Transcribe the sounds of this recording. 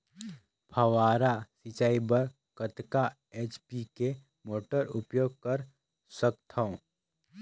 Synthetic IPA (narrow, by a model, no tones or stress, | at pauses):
pʰɐʋaːɾasit͡ʃaːibəɾ | kət̪ka | eːt͡ʃpike | moːʈəɾʊpjoːɡ̚kəɾ | səkt̪ʰõ